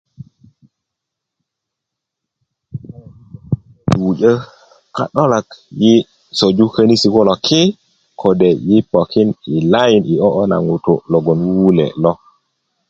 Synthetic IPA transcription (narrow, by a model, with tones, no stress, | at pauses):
ɗuɟə˦ | ka̰˨ɗɔ˦la˨kji˦ | so˨d͡ʒu˦kə˦ni˦si˨wɔ˦lɔ˨kʰɛ˦ | kʰɔdɛ˨ji˦po˨kʰi˦ni˨la˦ji˨ni˨ɔ˦ʔɔ˦na̰˨ŋu˨tɔlɔ˨ɡɔ˨nwu˦wu˦lɛ̰lɔ˦